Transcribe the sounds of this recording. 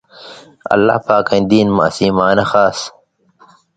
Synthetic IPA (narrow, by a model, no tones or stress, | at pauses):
ɐ̰lːa̰hpaːkɐ̃ĩnd̪iːnmɐ̰siːmaːnɐxaːs